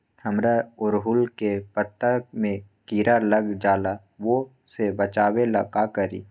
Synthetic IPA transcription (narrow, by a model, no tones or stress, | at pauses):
həmɾaʊɾɦʊlkepət̪ːəmẽ | kiːɾaləɡd͡ʒaːla | ʋo | sebət͡ʃaːwelɐkakəɾiː